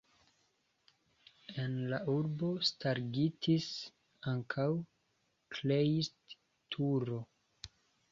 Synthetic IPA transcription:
e̞nlaʔuɾbo̞staɾɡitʰis | aŋkʰaw | kʰlejist | tʰuɾo̞

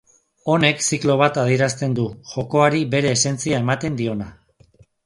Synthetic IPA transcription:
o̞ne̞ksiklo̞β̞at̪að̞ie̞ɾast̪e̞nd̪uʝo̞ko̞aɾibe̞ɾe̞ːse̞nt͡siaemat̪e̞nd̪io̞na

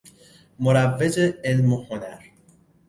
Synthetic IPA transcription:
moɾævːed͡ʒeelmohonæɾ

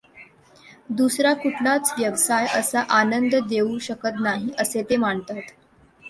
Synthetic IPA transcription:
d̪usɾakuʈʰɳat͡sʋjəʋsajʔəsaʔanənd̪d̪euɕəkət̪naɦiʔəset̪emaɳt̪at̪

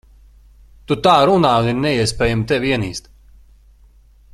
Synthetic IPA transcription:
t̪ut̪aːɾunaːuniɾnɛiɛspɛːjamt̪ɛvʲiɛnḭːst̪

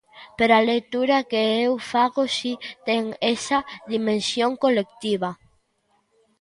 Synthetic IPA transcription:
peɾalejt̪uɾakeewfaɣosit̪eŋesɐðimẽnsjoŋkolekt̪iβɐ

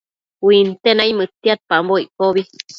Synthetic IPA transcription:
wint̪enaimɨt̪ːiat̪̚pamboiʔkoβi

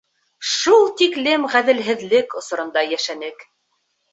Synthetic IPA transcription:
ʃulˠt̪iklɘmʁæðɘ̆lɦɘ̆ðlɘkŏsŏɾɤ̆nd̪ɑjæʃænɘk

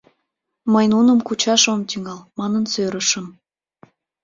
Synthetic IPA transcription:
məjnunə̆mkut͡ɕɑʃomt̪yŋɑlmɑnənsøɾəʃəm

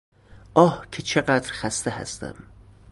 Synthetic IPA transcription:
ʔɒːhcʰet͡ʃʰe̞ɢæd̪ɾxæst̪eɦæ̰st̪æ̰m

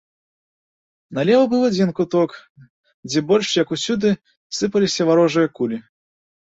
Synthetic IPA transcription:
nɐlʲɛvɐbɨwad͡zʲinkut̪ɔk | d͡zʲɛbɔlʲʂjɐkusʲud̪ɨ | sɨpɐlʲisʲɐvaɾɔʐɨjɐkulʲi

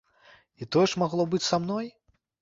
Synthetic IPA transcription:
it̪ɔjɛʂmaɣlˠɔbɨt͡sʲsamnɔj

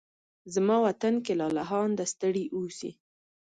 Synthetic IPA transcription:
zmɑwat̪ankelɑlaɦɑnd̪əst̪əɽiʔusḭ

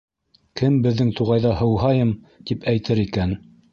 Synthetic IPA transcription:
kɘmbɘ̆ðːɘŋt̪uʁɑjðɑhɤ̆wɦɑjɤm | t̪ipʰæjt̪ɘɾikæn

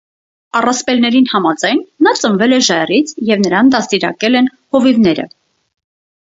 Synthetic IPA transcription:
ɑrɑspɛlnɛɾinhɑmɑd͡zɑjnːɑt͡səɱvɛlɛʒɑjrit͡sʰjɛvnəɾɑnd̪ɑst̪iɾɑ̰kɛlɛn | hɔvivnɛɾə̰

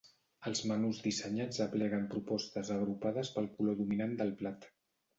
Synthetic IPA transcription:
əlˠzmənuzd̪isəɲad͡zəplɛɣəmpɾupɔst̪əzəɣɾupaðəspəlˠkuloðuminand̪əlˠplat̪

